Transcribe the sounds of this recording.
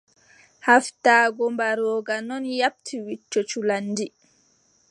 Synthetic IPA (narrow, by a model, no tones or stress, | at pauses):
haftaːɡɔmbaɾɔːɡanɔnjap̚tʰiwit͡ʃːot͡ʃulanːdi